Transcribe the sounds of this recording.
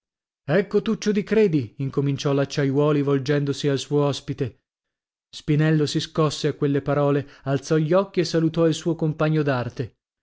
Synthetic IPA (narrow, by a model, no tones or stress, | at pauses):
ɛkːot̪ut͡ʃːod̪ikɾeːd̪iiŋkomint͡ʃɔlːat͡ʃːajwɔːlivold͡ʒɛnd̪osialsuoɔspit̪e | spinɛlːosiskɔsːeakːwelːepaɾɔːlealt̪sɔʎːɔkːiesːalut̪ɔilsuːokompaɲːod̪art̪e